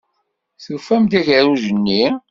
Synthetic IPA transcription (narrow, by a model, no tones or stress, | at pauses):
θufæmd̪æʝəɾuʒənːi